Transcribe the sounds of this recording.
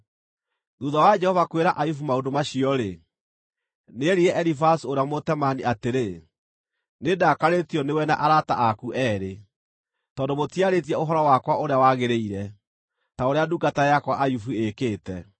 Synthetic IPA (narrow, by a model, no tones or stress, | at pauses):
ðuðawad͡ʒɛhɔvakweɾaʔajufumaondomaɕiɔɾe | neɾiɛʔɛɾifasuoɾeamotɛmaniateɾe | nedakaɾetiɔnewɛna̰ʔaɾata̰ʔakuʔɛːɾe | tɔːndomotiaɾet̬iɛoɦɔɾɔwakwaoɾeawaɣeɾeiɾɛ | taoɾeaduɡatajakwaʔajufuekeːtɛ